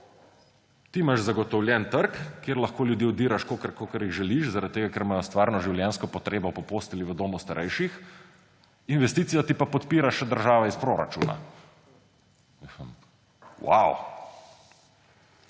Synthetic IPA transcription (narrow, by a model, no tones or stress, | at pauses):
t̪imaʃzaɡɔt̪ɔwlʲjɛnt̪əɾkkːjeɾlɐxkoːljud̪jiːɔd̪iːɾaʃkokəɾkokəɾjiɣʒɛliʃzaɾat̪̚t̪ːeːɡakɛɾmaːjɔst̪ʋaːɾnɔʒiwljɛnskɔpɔt̪ɾeːbɔpɔpost̪iliʋəd̪oːmust̪aɾʔɛjʃix | inʋɛst̪iːt̪sijat̪ipapɔt̪piːɾaʃɛd̪əɾʒaːʋɛispɾoːɾa̰t͡ʃṵːna̰ | wa̰w